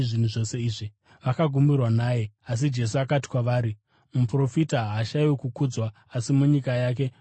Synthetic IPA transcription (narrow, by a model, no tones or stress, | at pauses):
ʐin̤uʐo̞se̞iːʐi | ʋakaɡʱumirwanaːje̞as̬id͡ʒe̞s̬uakati̥kwaʋaːɾi | mupro̞fitaɦaʃajwokukuːd͡zwaːsimuɲikajaːk̬e̞